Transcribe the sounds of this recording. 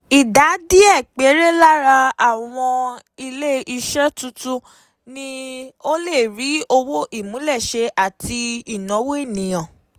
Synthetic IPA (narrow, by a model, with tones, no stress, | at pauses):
i˨da˨˦di˦ɛ˦˨k͡pe˨˦ɾe˦la˦ɾa˧a˦˨w̃ɔ̃˧ | i˧le˦i˧ʃɛ˦tu˧tu˦ | nĩ˦o˦le˦˨ɾi˨˦o˧wo˦ʔi˦˨mũ˨˦lɛ˦˨ʃe˧ʔa˦˨ti˧i˦˨nɔ̃˨˦we˦i˦˨nĩ˨j̃ã˨